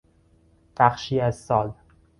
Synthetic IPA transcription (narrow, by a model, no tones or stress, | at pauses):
b̥æxʃiːæzsɒːl